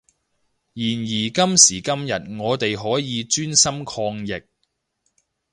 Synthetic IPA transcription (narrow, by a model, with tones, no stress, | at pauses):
jiː˨˩njiː˨˩kɐ˥msiː˨˩kɐ˥mjɐ˨t̚ŋɔː˨˧t̪e˨jɦɔː˨˥jiː˨˧t͡ʃyː˥nsɐ˥mkʰɔː˧ŋjɪ˨k̚